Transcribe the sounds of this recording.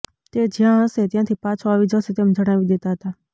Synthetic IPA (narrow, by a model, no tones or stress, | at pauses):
t̪ed͡ʒjãɦəset̪jãt̪ʰipãt͡ʃʰoaʋid͡ʒəset̪emd͡ʒəɽ̃aʋid̪et̪aɦət̪a